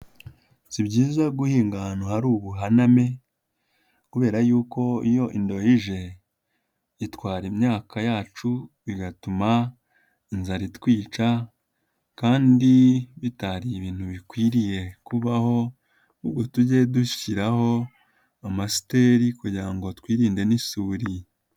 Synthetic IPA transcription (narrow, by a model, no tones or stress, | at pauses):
z̥ibɟiːzaɡuhiːŋɡanohaɾuːβuɦaname̞ | kuβe̞ːɾajuːko̞ijo̞ʔindo̞jiʒe̞ | itwaːɾimɲaːkajaːt͡ʃuβiɡatuma | inzaɾitwiːt͡ʃa | kaːndiβitaɾiβiːn̥huβikwiːɾije̞kuβaho̞ | uɡotuɟe̞duʃi̥ciɾaho̞ | amasi̥te̞ːɾikuɟiɾaŋɡo̞twiːɾiːnde̞nisuːɾi